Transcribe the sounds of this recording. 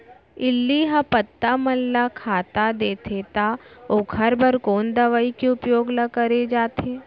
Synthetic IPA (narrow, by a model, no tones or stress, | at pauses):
ɪlːiɦapɐt̪ːamɐlːakʰaːt̪ad̪eːt̪ʰet̪aokʰəɾbʱɐɾkoːnd̪ɐʋaːikeʊpjoːɡlɐkəɾed͡ʒaːt̪ʰeː